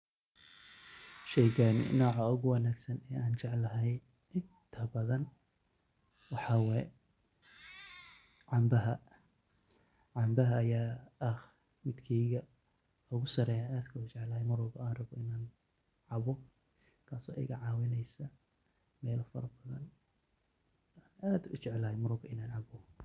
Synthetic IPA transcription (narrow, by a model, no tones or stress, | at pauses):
ʃɛjɡɐnɪ̰nɔːʕɑʊɣʊwɐnaːɡsɐnɛːaːnt͡ʃɛʕlɐɦɛj | ɪnt̪ʰɐbɐðɐn | wɑħɑwɛj | ʕɑmbɐɦɐ | ʕɑmbɐɦɐːjaːɐh | mɪd̪kʰiːɣɐ | ʊɣʊsɐɾɛjaaːd̪kʰɐʊt͡ʃɛʕlɐhɛjmʊɾɔːɣɐaːnrɐβɔʔɪnaːn | ʕɑβɔ | kʰaːsɔ̰ːʔɛ̰jɣɐʕɑːwɪnɛjsɐ | mɛːlɐfɐɾɐbɐðɐn | aːnʔaːd̪ʊt͡ʃɛʕlɐhɛjmʊɾɔːɣɐɪnaːnʕɑβɔ